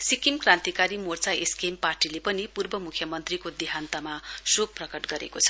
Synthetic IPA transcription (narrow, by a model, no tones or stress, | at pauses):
sikimkrãnt̪ikaɾimort͡saeskemparʈilepʌnipurbʌmukʰjʌmʌnt̪rikod̪iɦant̪amasubprʌkʌʈɡʌɾḛkot͡sʰʌ̥